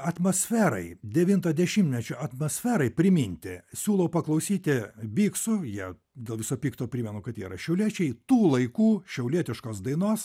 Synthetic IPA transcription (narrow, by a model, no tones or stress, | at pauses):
ɐt̪moːsʲfʲæːɾɐɪd̪ʲɛʋʲint̪ɐd̪ʲɛʃʲɪmʲt̪ʲmʲɛt͡ʃʲoːʔɐt̪mosʲfʲæːɾɐɪpʲɾʲɪmʲɪnʲt̪ʲɪsʲuːlˠɐʊpɐklˠɐʊsʲiːt̪ʲɪbʲiːksʊjiɛ | d̪ʲeːlˠʋʲɪsoːpʲiːkt̪oːpʲɾʲɪmʲɛnʊkɐt̪iːɾɐʃʲɛʊlʲiɛt͡ʃʲɛɪt̪uːlˠɐɪkuːʃʲɛʊlʲiɛt̪ʲɪʃkoːsd̪ɐɪnoːs